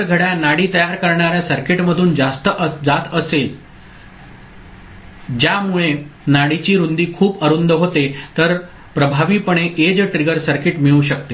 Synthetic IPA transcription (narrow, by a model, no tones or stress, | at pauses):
ɡʱəɽjanaɽiːt̪əjaɾkəɾɳaɾjasəɾkeʈməd̪ʱuːnd͡zast̪əʔəd͡zat̪əsel | d͡ʑjamuɭenaɽit͡ɕiːɾund̪iːkʰuːpəɾund̪əɦot̪et̪əɾ | pɾəbʱaʋiːpəɳ̃eʔed͡zʈɾiɡəɾsəɾkeʈmiɭuːɕək̚t̪e